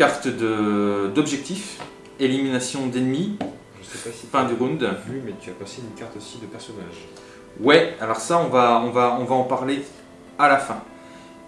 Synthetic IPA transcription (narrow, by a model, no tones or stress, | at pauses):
aʁt̪d̪əd̪ɔbʒɛk̚t̪if | eliminasjɔ̃d̪enmi | ʒəsɛpafɛ̃d̪yʁũnd̪imɛt̪yapaseynkaʁt̪osid̪əpɛʁsɔnaʒ | wɛalɔʁsaɔ̃vaɔ̃vaɔ̃vaɑ̃paʁle | alafɛ̃